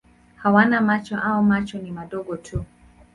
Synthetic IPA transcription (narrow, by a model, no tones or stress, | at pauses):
hawanamat͡ʃɔʔaɔmat͡ʃɔnimaɗɔɠɔtʰu